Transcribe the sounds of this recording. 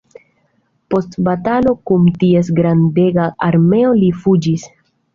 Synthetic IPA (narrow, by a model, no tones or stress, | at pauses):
po̞stbatalo̞kumtiesɡɾande̞ɡaaɾme̞o̞lifud͡ʒis